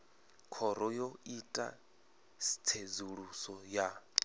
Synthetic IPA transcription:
kʰɔɾɔjoitʼa̰ | si̥t͡sʰed͡zuɺusɔja

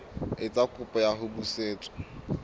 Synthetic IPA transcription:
ɪt͡sʼakʼʊpʼɔjaɦʊbuseːt͡sʼɔ̥

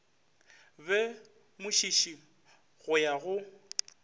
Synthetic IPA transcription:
bɛ | mʊʃiʃi | ɣʊjaɣʊ

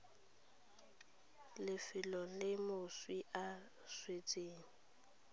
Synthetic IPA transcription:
lɪfɪlɔlɪmoswiʔa | swet͡sʼeːŋ̩

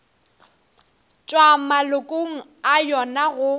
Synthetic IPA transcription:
t͡ʃʼwamalʊkʼoŋ̩ajɔnaɣʊ

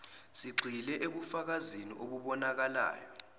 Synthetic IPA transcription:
siɡ͡ǀʱilɛʔeɓufak̬aziniʔoɓuɓɔnak̬ala̰ːjɔ

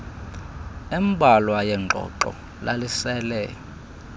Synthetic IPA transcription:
imbʱalwajɛŋŋ͡ǃʱɔ̰ǃɔ̰ | lalisɛlɛ

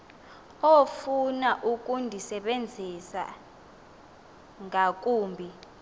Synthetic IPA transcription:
ofunaʔuk̬ʼundʱisɛɓend͡zʱisa̰ | ŋak̬ʼuːmbʱi

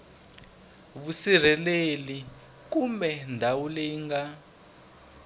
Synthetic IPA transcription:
βusir̤ɛleli | k̬umbɛndʱawuleŋɡa

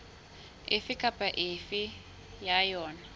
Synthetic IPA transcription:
ɪfɪkʼapʼaʔɪfɪ | jajɔːna

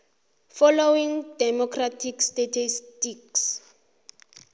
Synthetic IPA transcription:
fɔlowiŋdɛmɔkʰratʰikstatʰistiks

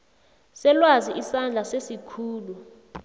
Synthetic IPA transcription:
sɛlwaziʔisand͡ɮʱasesikʰuːlu

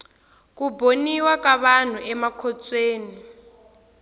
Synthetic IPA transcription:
k̬uboniwakaɓan̤uʔɛmakʰɔt͡sʼweːni

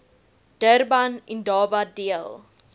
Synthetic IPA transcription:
d̥ərbɐnindɑːbɐdiəlˠ

